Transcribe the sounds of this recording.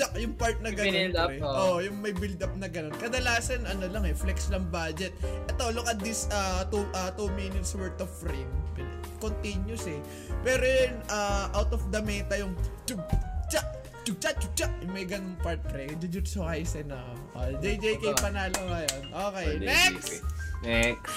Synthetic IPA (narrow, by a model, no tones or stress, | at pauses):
akjʊŋpaɹt̪̚nɐɡɐonɛʔoʔjʊŋmɐjbɪld̪ɐp̚nɐɡɐno̞nkɐd̪ɐlaːsɐnʔɐnolɐŋɛflɛkslɐŋbad͡ʒɛt̪̚ʔɛt̪olokɐd̪isat̪uʔɐt̪omiːnɪt̪swɛɹt̪ofɾem | kont̪injʊsɛ | pɛːɾojɛnʔaʔawt̪ɔfd̪ɐmɛt̪ɐjʊŋd͡ʒʊɡ̚t͡ʃaʔ | d͡ʒʊɡ̚t͡ʃaʔt͡ʃʊɡ̚t͡ʃaʔjʊŋmɐjɡɐnoŋpaɹt̪̚pɾɛd͡ʒʊd͡ʒʊt̪sʊkɐjsɛno | ʔod͡ʒɛjd͡ʒejkɐjpɐnaːloŋɐjonʔoːkɛjnɛksnɛk